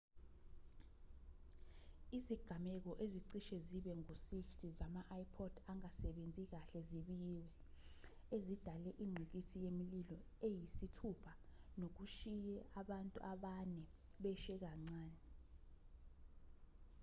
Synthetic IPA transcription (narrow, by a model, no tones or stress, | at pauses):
iziɡ̥ʱamɛk̬ɔʔeziǀiʃɛziɓɛŋusiftʰʼizamaʔaipʰɔd̥ʱaŋasɛɓend͡zʱik̬aɬɛziɓiwɛ | ezid̥ʱalɛʔiŋ͡ǀʱuk̬ʼitʰijemililɔ | ejisitʰupʰanok̬uʃijɛʔaɓantʼṵʔaɓanɛɓɛʃɛk̬aŋ͡ǀaːnɛ